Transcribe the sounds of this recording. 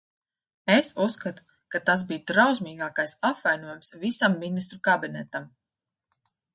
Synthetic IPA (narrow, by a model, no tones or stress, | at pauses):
esusːkat̪u̥ | kat̪as̬biːjt̪ɾawsmiːɡaːkajsapvajnuɔjumsvisamːinist̪ɾukabinɛt̪am